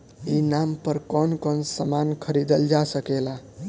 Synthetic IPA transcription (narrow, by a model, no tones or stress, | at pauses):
inampəɾkɔnkɔnsəmankʰəɾid̪əld͡ʒasəkela